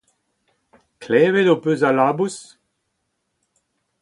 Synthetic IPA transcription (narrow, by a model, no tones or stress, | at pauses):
klɛːvedopøzalaːbus